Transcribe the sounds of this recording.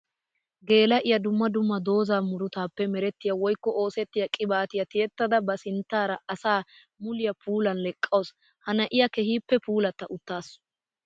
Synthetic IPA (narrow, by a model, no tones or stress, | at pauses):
ɡe̞ːlɐʔɪjɐd̪ʊmːɐd̪ʊmːɐd̪o̞ːzaːmʊɾʊt̪aːpːɛmɛɾɛt̪ːɪjɐwɔjkːɔʔo̞ːsɛt̪ːɪjɐkʼɪbaːt̪ɪjɐt̪ɪjɛt̪ːɐd̪ɐbɐsɪnt̪ːaːɾɐɐsaː | mʊlɪjɐpʰuːlɐnlɛkʼːɐwɔs | hɐnɐʔɪjɐkɛhiːpːɛpuːlɐt̪ːɐʔʊt̪ːaːsʊ̥